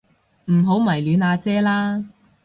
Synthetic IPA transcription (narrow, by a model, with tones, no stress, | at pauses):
m̩˨˩ɦo˨˥wmɐ˨˩jlyː˨˧naː˨˧t͡sɛː˥laː˥